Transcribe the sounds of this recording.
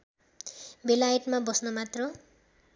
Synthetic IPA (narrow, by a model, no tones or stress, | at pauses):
belajeʈmabʌsnʌmat̪rʌ